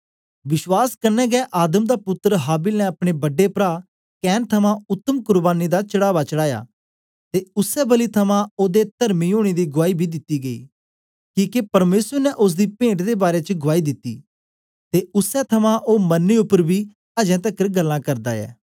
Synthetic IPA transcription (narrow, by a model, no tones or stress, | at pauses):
ʋɪʃwaːskəɾnɛːɡɛːʔaːd̪əmd̪aːpʊt̪ːəɾəɦaːbilnɛ̃ɐpɽ̃ebɐɖepɾaː | kɛːnt̪ʰɐmãːʊt̪ːəmkʊɾbaːnid̪at͡ʃəɽaːʋaːt͡ʃəɽaːja̰ː | t̪eʊsɛːbəlit̪ʰɐmãːoːd̪et̪əɾmiːoːɽ̃eːd̪iːɡʊʋaːibʱid̪ɪt̪ːiːɡəḭː | kiːkepəɾmeːsəɾnɛʔʊs̬d̪iːpẽːɳʈd̪eːbaːɾeːt͡ʃəɡʊʋaːiːd̪ɪt̪ːḭː | t̪eʊsɛt̪ʰɐmãːʔoːmənːeʊpːəɾbʱiː | əd͡ʒɛ̃ːt̪̬əkːəɾɡəlːãːkəɾd̪a̰ːɛ̰ː